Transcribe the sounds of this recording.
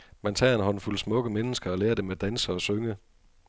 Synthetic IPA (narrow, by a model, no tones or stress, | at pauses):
mænt͡sʰɑ̰̈ːe̝nɦɒ̽nfulsmɔ̽ɡ̥əmenəsɡ̥ɐɒ̽leːɐd̥e̝med̥ænsəɒ̽søŋə